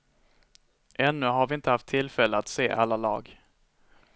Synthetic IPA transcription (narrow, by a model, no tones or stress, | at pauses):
ʔɛnːɵɦaɾvɪɪnt̪əhaft̪ʰːɪlfɛlːəat̪seːʔa̰lːalɑ̰ːɡ